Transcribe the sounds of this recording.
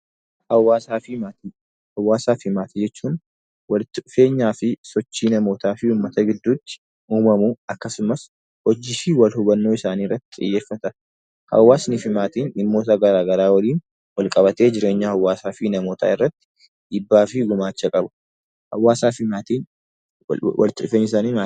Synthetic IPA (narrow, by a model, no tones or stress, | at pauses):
hɐwːaːsaːfɪmaːt̪i | hɐwːaːsaːfɪmaːt̪id͡ʒɛt͡ʃːuːn | wɐlɪt̪ːɪʔʊfe̞ːɲːaːfɪsɔt͡ʃːiːnɐmo̞ːt̪ʰaːfɪuːmːɐt̪ɐɡɪd̪ːuːt̪ːɪ̥ | ʔuːmɐmuɐkːɐsʊmɐs | hɔd͡ʒɪːfɪwɐlhʊbɐnːo̞ːɪsaːniːrːɐt̪ːɪ̥t̪ʼɪ̰jːe̞ːfːɐt̪ɐ | hɐ̰wːaːsnɪfɪmaːt̪iːnɪmːo̞ːt̪̬ɐɡɐɾaːɡɐɾaːwɐliːn | wɐlkʼɐβɐt̪e̞ːd͡ʒɪɾe̞ːɲːɐhɐwːaːsaːfɪnɐmo̞ːt̪ʰa̰ːɪrːɐt̪ːɪ̥ | ɪbːaːfɪɡʊmaːt͡ʃːɐkʼɐbʊ̥ | hɐ̰wːaːsaːfɪmaːt̪iːn | wɐ̰lt̪ːɪʊfeːnːɪsaːniːaː